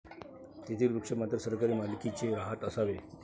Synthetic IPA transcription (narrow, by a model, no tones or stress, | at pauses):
t̪et̪ʰiːlɾukʂemat̪ɾəsəɾkaɾiːmalkit͡seɾaɦət̪əsaʋe